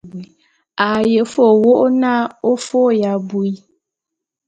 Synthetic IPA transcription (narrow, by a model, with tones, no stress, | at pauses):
a˨je˨fo˦˨wo˦ʔo˦na˦o˦fo˦ja˨bu˨i˦